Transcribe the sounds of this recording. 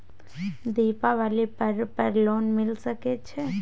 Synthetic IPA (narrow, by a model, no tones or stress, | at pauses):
d̪iːpaʋaːlipəɾpəɾloːnmɪlsəket͡ʃʰe